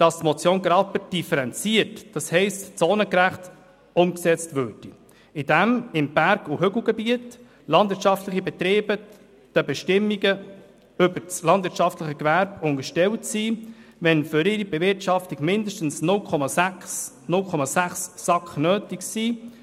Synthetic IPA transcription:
d̥ɑstmɔt͡sjoːnɡɾɑpəd̥ifəɾɛnt͡siətd̥ɑshɛɪstt͡soːnəkɾæχt | ʊmksɛt͡stvøɾd̥i | ɪdɛmɪmb̥æɾɡuɦʏɡl̩ˠɡɛbiət | lɑnd̥vɪɾtt͡ʃɑftləχibɛt̪ɾeːbə | d̥əbɛʃtɪmːiɡə | ʏbəɾt͡slɑndvɪɾtt͡ʃɑftlɪχəkvæɾbʊŋəʃtɛltsiːvɛnfʏɾɪɾib̥ɛvɪɾtʃɑftiɡ̥mɪndəʃtən̩snʊlkʰɔmɑsæs | nʊlkχɔmɑsæχsːɑkχnøːtɪksiː

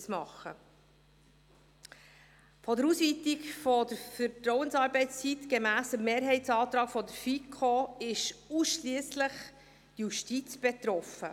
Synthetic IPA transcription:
smɑχə̰ | fɔdəɾuːsʋiːt̪ikfɔd̥əɾfəɾtɾɔʊwənsɑːɾbɛɪtst͡sit̪ɡ̥emæːsəmːeːɾɦɛɪtsɑːt̪ɾɑːkfɔd̪əɾfikʰoɪʃuːsʃliəsləχ | tjuʃtit͡sb̥ɛt̪ɾɔfə

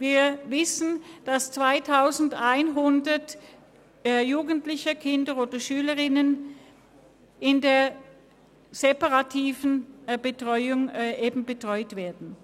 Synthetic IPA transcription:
viːɐvɪsn̩d̥ast͡sv̥aɪtʰaʊzn̩daɪnɦʊndɐtː | juːɡən̩tlɪçəkʰɪndəoːdɐʃyːləʁɪnən | ɪndeːɐ | z̥epaʁatʰiːvən̩bətʁ̥ɔʏʊŋʔeːbm̩bətʁ̥ɔʏtv̥eːɐdn̩

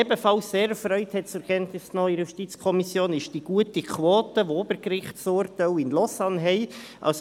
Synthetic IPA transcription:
ɛbəfɑlsːeːɾəfɾœʏthɛtt͡sʊɛɾkɛntnɪsnœʏijuʃtit͡skʰɔmisjoːnɪʃd̥iɡ̥uətikʰʋoːtəʋoobəɾkɾɪχtsʊːɾtaʊɪnlɔsɑnɦɛɪʔɑ̰ls

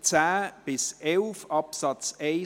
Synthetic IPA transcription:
t͡sæːb̥ɪsɛlfɑpsɑt͡seɪ

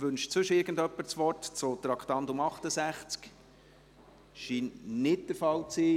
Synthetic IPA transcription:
ʋʏnʃt͡sʋɵʃəɪɾɡ̥əndœpːəɾt͡sʋɔrtt͡sot̪ɾɑkχtɑntʊmɑχtəsæχt͡sk | ʃiːnnɪt̚d̥əɾfɑlt͡siː

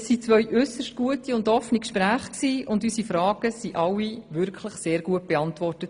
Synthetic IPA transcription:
sːit͡sʋœʏʔʏsəʃtɡ̥uətiʊndɔfənikʃpɾæːχksiːʊndysifɾɑːɡ̥əsiʔɑwːiʋʏɾkʰləχseːɾɡ̥uət̚b̥eɑntʋɔrtət

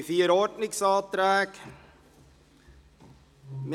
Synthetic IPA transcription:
fiːɾoːʈnɪksɑːt̪ɾæːk | m

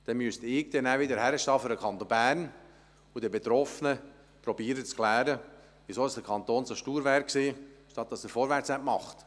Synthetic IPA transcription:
d̪̥ɛnmystɪɡ̚d̥̪ɛnæʋɪdəɾhæɾəʃtɑːfyɾəkʰɑnt̪onbæːɾn | udibet̪ɾɔfənə | pɾɔbiːɾət͡skʰlæːɾə | ʋisoːɪsd̥̪əɾkʰɑnt̪oːnsoʃtuːɾʋæɾksiːʃtɑt̪̚dɑsəɾfoːɾʋæɾt͡sɛʔmɑχt̪

